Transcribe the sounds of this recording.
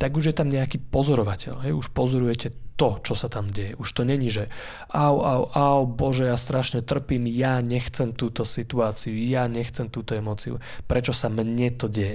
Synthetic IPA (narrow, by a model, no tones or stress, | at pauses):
t̪aɡuʒjɛt̪amɲɛakiːpɔzɔɾɔʋacɛ̰lɦɛjuʃpɔzɔɾujɛcɛt̪ɔt͡ʃɔsat̪amɟɛjɛʔuʃt̪ɔɲɛɲiʒɛ | ʔawawʔawbɔʒɛjast̪ɾaʃɲɛt̪r̩piːmjaɲɛxt͡sɛmt̪uːt̪ɔsit̪uaːt͡siujaɲɛxt͡sɛmt̪uːt̪ɔɛmɔːt͡siṵ | pɾɛt͡ʃɔsamɲɛt̪ɔɟɛjɛ